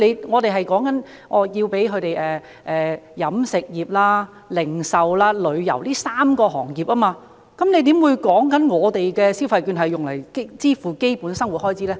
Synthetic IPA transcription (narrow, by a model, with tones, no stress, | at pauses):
le˨˧jŋɔː˨˧t̪e˨jɦɐ˨jkɔː˨˥ŋkɐ˨˥n | ʔɔː˨˧jiː˧wpe˨˥jkʰɵ˨˧ɥt̪e˨jɛː˨ | ʔɛː˨jɐ˨˥msɪ˨k̚jiː˨˩p̚laː˧ | lɪ˨˩ŋsɐ˨wlaː˧˥lɵ˨˧ɥjɐ̰˨˩wliː˥saː˥mkɔː˧ɦɔː˨˩ŋjiː˨˩p̚aː˥maː˧ | kɐ˨˦mne˨˧jt̪̬iː˨˥mwuː˨˧jkɔː˨˥ŋkɐ˨˥nŋɔː˨˧t̪e˨jkɛː˧si˥wfɐ˧jkyː˧nɦɐ˨jʊ˨ŋlɐ̰˨˩jkt͡siː˥fuː˨ke˥jpuː˨˥nsɐ˥ŋwu˨t̚hɔː˥jt͡sʰiː˨˥lɛː˥